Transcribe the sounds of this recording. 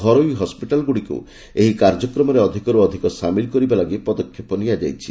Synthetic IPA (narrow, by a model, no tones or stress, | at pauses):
ɡʱɔɾojɦɔspiʈalɡuɽikṵ | eɦikaɾd͡ʒɔkɾɔmɔɾeɔd̪ʱikɔɾuɔd̪ʱikɔsamilkɔɾibalaɡipɔd̪ɔkʰːjepɔnijad͡ʒajt͡ʃʰi